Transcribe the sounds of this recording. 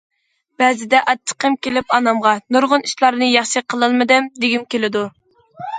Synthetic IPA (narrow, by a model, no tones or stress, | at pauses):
b̥ɛzɪd̪ɛʔɑt͡ʃʰːə̥qəmkʲelɪpɑnɑmʁɑnuɾʁʊniʃlˠɑɾnɨjɑχʃiqʰəlˠɨlˠmɨd̪ɪmd̪ɪɡʲimkʲelɪd̪u